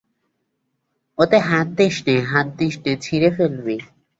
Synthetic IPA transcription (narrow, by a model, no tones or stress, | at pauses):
ot̪eɦat̪̚d̪eʃʈeɦãt̪̚d̪iʃʈet͡ɕʰiɾefelbe